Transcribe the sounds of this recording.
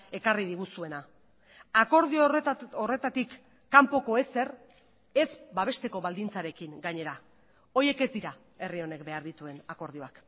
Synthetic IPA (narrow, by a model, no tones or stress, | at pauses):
e̞kariðiɣusue̞na | ako̞ɾðioore̞t̪at̪ikː | ampo̞ko̞e̞se̞r | e̞zbaβ̞e̞st̪e̞ko̞βald̪int͡saɾe̞kiŋɡaɲe̞ɾa | o̞je̞ke̞zd̪iɾa | e̞rio̞ne̞kbe̞aɾðit̪ue̞nako̞ɾð̞io̞ak